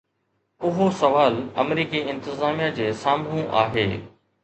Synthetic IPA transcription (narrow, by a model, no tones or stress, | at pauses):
ʊɦosɐʋaːlɐ̰mɾiːkiɪ̃nt̪ɪzaːmijad͡ʑeːsaːmnũʔa̰ːɦḛː